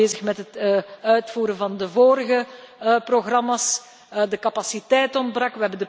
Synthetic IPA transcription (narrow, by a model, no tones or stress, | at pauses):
eːzəxmɛtɦətœɥtfuːɾənvɑndəvoːɾəɣəproɣrɑmas | dəkɑpasitɛjtɔndbrɑkʋəɦɛbəndə